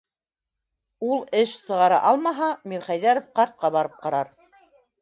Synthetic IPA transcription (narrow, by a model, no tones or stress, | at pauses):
ulˠɘʃsɤ̆ʁɑɾɑ̰ʔɑlˠmɑɦɑmiɾχæjðæɾofqɑɾt̪̚qɑβɑɾɤp̚qɑɾɑɾ